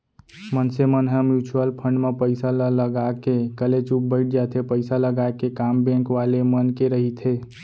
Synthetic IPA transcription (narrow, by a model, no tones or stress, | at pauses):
mənsemənɦəmjut͡ʃuəlpʰəɳɖmepəɪsalləɡakekəlet͡ʃup̚bəɪʈ̚ʰd͡ʒat̪ʰepəɪsaləɡaekekambẽŋkʋalemənkeɾəɦit̪ʰe